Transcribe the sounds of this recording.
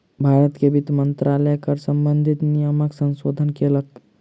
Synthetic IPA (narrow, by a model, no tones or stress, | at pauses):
bʱaːɾət̪kebit̪mənt̪ɾaləjkəɾsəmbənd̪ʱit̪nijəməksə̃nsoːd̪ʱənkelək̚t̪